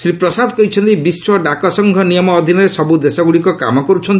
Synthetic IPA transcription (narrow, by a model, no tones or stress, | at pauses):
sɾipɾɔsad̪ɔkɔɦit͡ʃʰɔnt̪ibiswɔɖakɔsɔŋɡʱɔnijɔmɔːd̪ʱinɔɾesɔbud̪esɔɡuɽikɔka̰mɔkɔɾut͡ʃʰɔnt̪i